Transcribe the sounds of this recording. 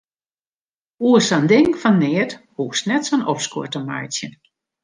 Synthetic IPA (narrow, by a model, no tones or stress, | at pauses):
uəsandɪŋfannɪːəthuːksnɛtsənɔfskuətəma̰jtjən